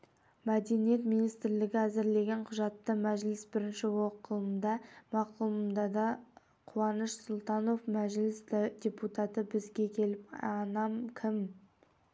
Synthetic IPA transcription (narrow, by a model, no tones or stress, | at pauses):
mæd̪e̞nije̞t̪mijnijst̪ɾlɪɡʲɪæzɪɾle̞ɡʲe̞ɴqʰʊʒɑt̪ːəmæʒlɪsbɪɾɪnʃɪwoqəlˠəmd̪ɑmɑquməmd̪ɑd̪ɑ | qʰuwɑnəʃsʊlˠt̪ɑno̞fmæʒlɪsd̪ɪd̪ʲe̞put̪ɑt̪əbɪzɡʲe̞kʲʰe̞lɪpɑnɑmkʲʰɪm